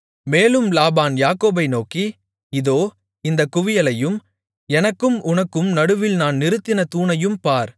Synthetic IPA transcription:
meːlɯmlaːbaːnjaːkoːbɐɪnoːki | ɪðoː | ɪnd̪ɐkːʊʋɪjɐlɐjɯm | ɛnɐkːɯmʊnɐkːɯmnɐɽɯʋɪlnaːnnɪɾɯt̪ːɪnɐt̪uːnɐjɯmpaːɾ

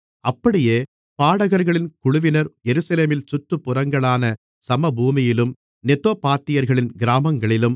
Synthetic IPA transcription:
ɐpːɐɽɪjeː | paːɽɐɣɐɾɣɐɭɪnkʊɭʊʋɪnɐɾjɛɾɯsɐleːmɪlsʊʈːɯpːʊrɐŋɡɐɭaːnɐ | sɐmɐbuːmɪjɪlɯm | nɛt̪ːoːpaːt̪ːɪjɐɾɣɐɭɪnɡɪɾaːmɐŋɡɐɭɪlɯm

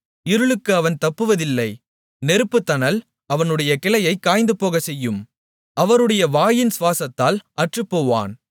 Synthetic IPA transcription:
ɪɾɯɭɯkːɯɐʋɐnt̪ɐpːɯʋɐðɪlːɐɪ | nɛɾɯpːɯt̪ːɐnɐl | ɐʋɐnɯɽɐjɐkɪlɐjɐɪkːaːjnd̪ɯpoːɣɐsɛjːɯm | ʔɐʋɐɾɯɽɐjɐʋaːjɪnsʋaːsɐt̪ːaːlʔɐʈrɯpːoːʋa̰ːn

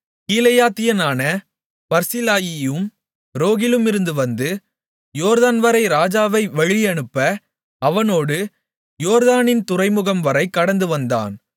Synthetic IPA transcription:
kiːlɐjaːt̪ɪjɐnaːnɐ | pɐɾsɪlaːjɪjɯm | ɾoːɣɪlɯmɪɾɯnd̪ɯʋɐnd̪ɯ | joːɾðaːnʋɐɾɐɪɾaːd͡ʒaːʋɐɪʋɛɻɪjɐɳɯpːɐ | ɐʋɐnoːɽɯ | joːɾðaːnɪnt̪ʊrɐɪmɯɣɐmʋɐɾɐɪkːɐɽɐnd̪ɯʋɐnd̪a̰ːn

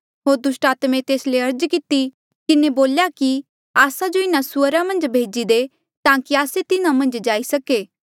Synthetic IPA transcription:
ɦoːɾd̪ʊsʈaːt̪mẽt̪eːsleɐɾd͡ʒkɪt̪i | kɪneboːljaki | aːsad͡ʒoɪnasʊəɾamɐ̃nd͡ʒbʱeːd͡ʒid̪e | t̪ãːkiaːset̪ɪnãmɐ̃nd͡ʒd͡ʒaːisɐkeː

